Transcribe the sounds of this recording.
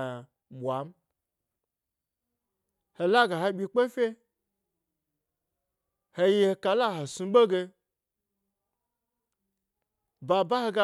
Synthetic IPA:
ɓʷa˨m̩˦ | he˧la˦ɡa˨ɦe˧ɓʲi˧k͡pe˦fʲe˦ | he˧ji˧˦he˧ka˨la˦ɦo˨su˧˦ɓo˦ɡe˧ | ba˨ba˦he˧ɡa˧˦

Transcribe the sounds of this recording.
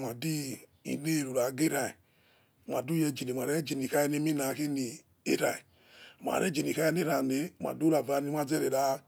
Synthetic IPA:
ma˨di˦ | ḭ˨ne˦˨ɾu˨ɾa˨ɡe˦ɾa˨i˨ | mʷ˨a˨du˦jɛ˧d͡ʒi˨ni˨mʷ˨a˨ɾɛ˦d͡ʒi˨ni˨ka˦je˦ne˦mi˦na˨ke˦ni˨ | ḛ˦ɾa˨i˨ | m˨a̰˨ɾɛ˦d͡ʒi˨ni˨ka˦i˦n˦e˦ɾa˨ne˨˦˨ma̰˨du˦la˨va˨ni˨˦i˦a˦d͡ze˦ɾe˨ɾa˨˦

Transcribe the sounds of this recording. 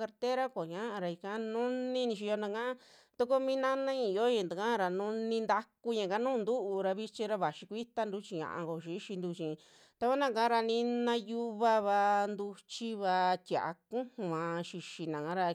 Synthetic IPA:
ka˧ɾt̪e˦ɾa˦kʷo˨ɲã˦a˧ɾa˧i˧kã˧˦nũ˦nĩ˦nĩ˧ʃ̬i˧o˧nã˧kã˦ | t̪u˦ko˦mĩ˦nã˦nã˦ĩ˧˨˧jo˦ĩ˧˨nd̪a˨kã˦ɾa˨nũ˦nĩ˧nd̪a˧ku˧ɲã˨ka˦nũː˦˧nd̪u˦ʔu˧ɾa˧βi˦t͡ʃi˧ɾa˧βa˨ʃi˧kʷi˦t̪a˦nd̪u˧˦t͡ʃi˧ɲã̰˨ʔã̰˧ŋko˧ʃi˧˦ʃi˧nd̪u˧t͡ʃĩ˨˧ | t̪a˧kʷa˦nã˦˨kã˦ɾa˧nĩ˧nã˧ju˧βa˦βa˧nd̪u˧t͡ʃi˦βa˧t̪ʲja̰˨ʔa̰˧kũ˦hã˧ʃi˧ʃi˧nã˨kã˦ɾa˧

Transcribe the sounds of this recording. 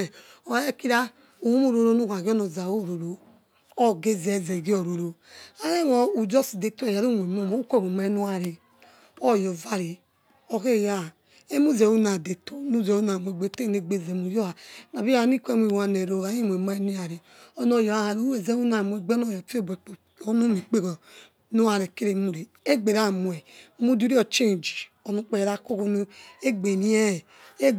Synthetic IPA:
ɔ˨˦e˦ki˦ɾa˦ | u˨u˦mu˦˨ɾo˨ɾo˦nu˦˨ka˨ɡi˦ɔ˦no˨za˨wo˦˨ɾo˨ɾo˨ | ɔ˦ɡe˦zɛ˨zɛ˨ɡi˦o˨ɾo˨ɾo˨a˦je˦wɔ˨u˨d͡ʒɔ˦si˨de˨tu˦ɔ˨ja˨ɾu˦˨mʷ˨e˨mo˦˨mo˨˦u˦kʷɛ˦˨wo˨ma˦i˦nu˦a˨ɾi˨ | ɔ˦˨jɔ˨va˦ɾi˨ | o˦ke˦˨ja˦˨ | e˦mu˦ze˨wu˦na˨de˨to˨nu˦˨zɛ˨u˦na˨mʷ˨e˨ɡ͡be˨˦te˦˨ne˨ɡ͡be˦˨ze˨mu˨jɔ˦a˨na˨bi˦a˦˨˦n˦i˦kʷe˦˨m˦i˨˦a˨ne˨ɾo˨a˨˦ji˦mʷ˨e˨ma˦e˦nu˦a˨ɾi˨ | o˦no˨jo˨a˦a˨ɾo˦e˨ze˦u˦na˨mu˨e˨ɡ͡be˦no˦˨jo˨pi˦o˦be˨k͡p | o˦nu˦mi˨k͡pe˦ɡo˨ | nu˦a˨ɾe˨ke˦ɾe˨mu˨ɾe˨ | e˦ɡ͡be˨ɾa˦mu˨e˨˦mu˦du˦ɾi˦o˨t͡ʃe˦˨d͡ʒi̥˨ | o˨nu˦k͡pe˨ɾa˦ko˦ko˦nu˦e˦ɡ͡be˨ni˦e˦˨ | e˦

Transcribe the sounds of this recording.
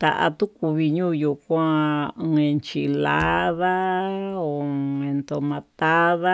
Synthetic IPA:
t̪a˨ʔa̰˧t̪ũ˦ku˧βi˧ɲũː˦ju˧kʷã˦˧ | ẽ˧nt͡ʃi˧la̰˦ða˦o˨˧ẽ˧nt̪o˧mã˧t̪a˦ða˦

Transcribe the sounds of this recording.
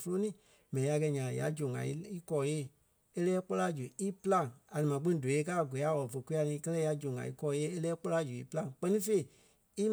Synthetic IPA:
fo˧lo˦nĩː˦ | mɛ̃˨nĩ˨ja˧kɛ˧˨ɲã˨ã̰˨ja̰˨˦d͡ʒõ˨ŋã̰˨i˦i˦kɔː˧˨˦jeː˦˨ | e˦lɛː˦k͡po˦la˦d͡ʒu˨i˦pɨ˦lã˦˨ŋa˨nɨ̃˨mã˨k͡pĩ˦ĩ˦do˨e˧˦kaː˦˨ɡe˨a˨˦˨wɔ˨ɔ˨fə˧˨ku˦a˧nĩː˧˦kɜ˦lɛ˦ja˧d͡ʒõ˨ŋã̰˨ḭ˦kɔː˧˦jeː˦e˦lɛː˦k͡po˦la˦d͡ʒu˨ḭ˦pɨ˦lã˦˧ŋk͡pɜ˦nĩ˦fe˧i˨ | i˦m

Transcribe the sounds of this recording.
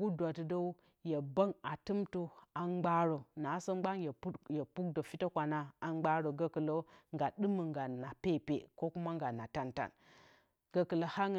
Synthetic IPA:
ɡu˦dʷa˨tə˨do˦u˦ | je˨bə˦ŋa˨tɨ˦mto˦a˨mɡ͡ba˦ɾo˨na˨˦so˦ɡ͡ba˦ŋje˨˦jə˨pu˦k̚do˨fi˦tə˦kʷa˨na˨a˨ŋ͡mɡ͡ba˦ɾo˨ɡə˦kə˨lo˦ŋɡa˨ɗɨ˦mə˨ŋɡa˨na˨pe˦˨pḛ˨ko˦ku˦ma˦ŋɡa˨na˨ta˦nta̰˨n | ɡ̥ə˦kə˨lə˨ha˦ŋ˨

